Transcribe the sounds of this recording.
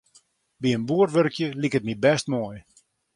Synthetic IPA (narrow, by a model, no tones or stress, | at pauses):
biənbuərʋøɾkjəlikət̚mibɛstmoːj